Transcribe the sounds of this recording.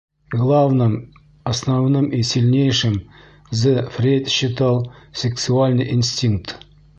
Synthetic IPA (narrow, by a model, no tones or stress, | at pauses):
ɡlˠavnɨm | ɐsnavnɨmisʲilʲnʲejʂɪm | zɨfɾʲet̪ʲɕɪt̪alˠsʲɪksualʲnɨjʔinsʲtʲiŋk̚t̪